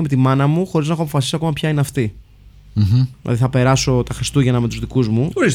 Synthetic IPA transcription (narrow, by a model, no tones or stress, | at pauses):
eme̞t̪imɐnɐmuxo̞ɾiznɐexoɐp̬o̞fɐsi̥siɐko̞mɐpçɐineɐft̪i | ilɐ̰ðiθɐpe̞ɾɐso̞t̪ɐxɾist̪uʝɐnɐme̞t̪uzðikuzmuoɾis